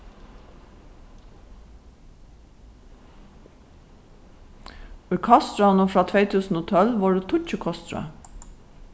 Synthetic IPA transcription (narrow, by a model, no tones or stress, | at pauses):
oiːkʰɑst̪ɹɑnofɾɑːt̪ʰʋeɪt̪ʰʉːsn̩oːt̪ʰɔlʋɑːɖeːt̪ʰʊc͡çəkʰɔst̪ɾə̰